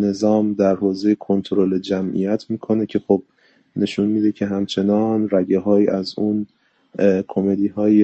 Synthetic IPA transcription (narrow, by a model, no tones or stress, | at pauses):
ne̞zɒːmd̪æɾhoːzejekʰo̞nt̪ʰoɾoled͡ʒæmʔḭjæt̪ʰmiːkʰo̞ne̞cʰe̞xoːb̥̚ | ne̞ʃunmiːd̪e̞cʰe̞ɦæmt͡ʃʰe̞nɒːnræɟeɦɒːjiːʔæzuːn | kʰome̞d̪iːɦɒːji